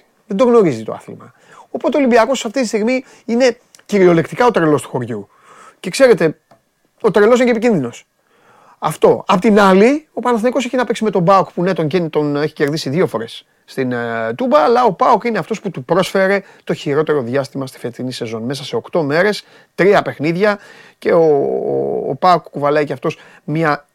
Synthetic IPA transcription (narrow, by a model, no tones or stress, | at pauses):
ðend̪o̞ɣno̞ɾizit̪oɐ̰θlḭmɐ̰ | o̞pot̪eo̞limbiɐko̞sːɐft̪it̪ist̪iɣmi | ine̞ | ciɾio̞le̞kt̪ikɐo̞t̪ɾe̞lo̞st̪u̥xo̞ɾʝu | ce̞kse̞ɾe̞t̪e̞ | o̞t̪ɾe̞los̬inecepicinðino̞s | ɐ̰ft̪o̞ɐpot̪inɐlio̞pɐnɐθnikoseçinɐpeksime̞t̪o̞bɐokpunet̪o̞ɲɟent̪o̞ne̞çi̥ce̞ɾðisiðiofo̞ɾe̞sː | t̪int̪ubɐːlɐo̞pɐokineɐft̪o̞sput̪upɾo̞sfe̞ɾe̞ | t̪o̞çiɾo̞t̪e̞ɾo̞ðʝɐst̪imɐst̪i̥fet̪inise̞zo̞nme̞sɐse̞o̞kt̪o̞me̞ɾe̞s | t̪ɾiɐpe̞xniðʝɐce̞o̰ | pɐokkuvɐlɐiceɐft̪o̞s | mɲɐ